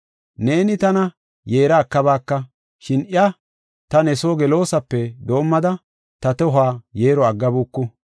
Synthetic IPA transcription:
ne̞ːnɪt̪ɐnɐ | je̞ːɾaːkːɐbaːkːɐ | ʃɪnʔɪɐ | t̪ɐnɛsoːɡɛlo̞ːsɐpːɛd̪o̞ːmːɐd̪ɐ | t̪ɐt̪ɔɦaːjeːɾɔɐɡːɐbuːkːʊ

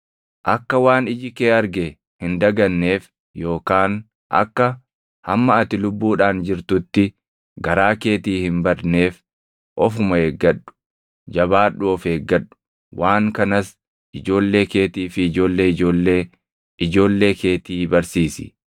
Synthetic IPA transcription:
ʔɐkːɐwaːnɪd͡ʒɪkeːɐɾɡɛ | hɪnd̪ɐɡɐnːe̞ːf | jo̞ːkaːn | ʔɐ̰kːɐ | hɐmːɐɐt̪ɪlʊbːuːᶑaːnd͡ʒɪɾt̪ʊt̪ːɪ | ɡɐɾaːke̞ːt̪iːhɪmbɐd̪ne̞ːf | ʔɔfʊmɐeːɡːɐᶑʊ̥ | d͡ʒɐbaːᶑːʊɔfeːɡːɐɗʊ̥ | waːŋkɐnɐs | ɪd͡ʒo̞ːlːe̞ːke̞ːt̪iːfɪːd͡ʒo̞ːlːeːɪd͡ʒoːlːeː | ɪd͡ʒo̞ːlːe̞ːke̞ːt̪iːbɐɾsiːsɪ̰

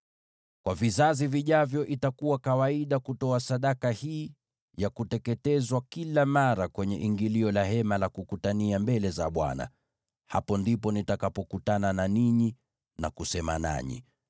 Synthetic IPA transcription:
kwavizaziviʄavjɔʔitakuwakawaiɗakutɔasaɗakahiː | jakutɛkɛtɛzwakilamaɾakwɛɲɛʔiŋɡiliɔlahɛmalakukutaniambɛlɛza̰ɓwa̰na̰ | hapɔndipɔnitakapɔkutanananiɲi | na̰kusɛma̰na̰ɲḭ

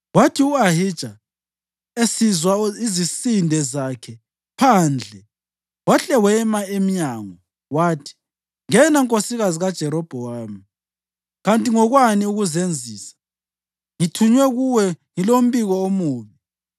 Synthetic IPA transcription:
watʰiuaɦid̥ʒ̥ʱa | esizwaizisindʱɛzakʰɛ | pʰaːnd͡ɮʱɛ | waɬɛwɛmaemiɲaːŋɔ | waːtʰi̥ | ŋɛnaŋkʼosiɣaziɣad̥ʒ̥ʱɛɾɔb̥ʱɔwaːmi | ɣantʼiŋɔɣwaniuɣuzend͡zʱiːsḁ | ŋitʰuɲwɛɣuwɛŋilom̩biɣɔomuːβi

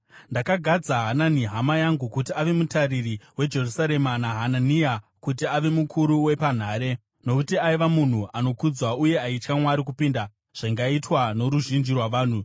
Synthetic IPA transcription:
ndakaɡʱad͡zaɦananiɦamajaŋɡukutiaʋe̞mutaririwe̞d͡ʒe̞rusaɾe̞manaɦananija | kutiaʋe̞mukʰuɾuwe̞pan̤aːɾe̞ | no̞kutiaiʋamun̤uʔano̞kud͡zwauje̞ait͡ʃkamwaɾik̬upiːnda | ʐ̥aŋɡaitwano̞ɾuʒind͡ʒirwaʋaːn̤u

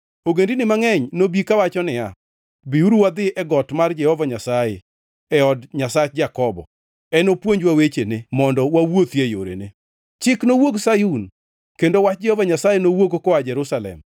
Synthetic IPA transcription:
oɡendinɪmaŋɛɲnobikawat͡ʃɔnɪa | biuɾuwad̪ɪʔɛɡɔtmard͡ʒɛhɔvaɲasaje | ɛɔdɲasat͡ʃd͡ʒakɔbɔ̰ | ɛnopwoɲd͡ʒwawet͡ʃenemɔndɔwawot̪jejo̰ɾḛne | t͡ʃɪknowoɡsajun | kendowat͡ʃd͡ʒɛhɔvaɲasajenowokokɔad͡ʒɛɾusalɛ̰m

